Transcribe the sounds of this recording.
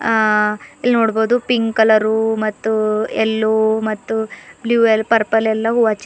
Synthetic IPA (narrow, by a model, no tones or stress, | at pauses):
ilːnoːɽboːd̪upiŋɡkɐlɐɾumɐt̪ːuelːoːmɐt̪ːubljuːelpɐɾpɐlɛlːɐɦuʋat͡ʃ